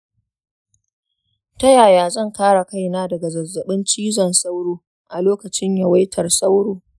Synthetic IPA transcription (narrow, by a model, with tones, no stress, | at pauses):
tɐ˦jaː˨jaː˨zɐ˦˨ŋkaː˦ɽa˨ka˦˨jnaː˦dɐ˨ɡa˨zɐ˨zːɐ˨ɓɪ˦nt͡ʃiː˦zɐ˨nsa˦wɽoː˦ | ʔa˨loː˦kɐ˨t͡ʃɪ˦ɲja˨wa˦jtʰɐ˨rsa˦wɽoː˨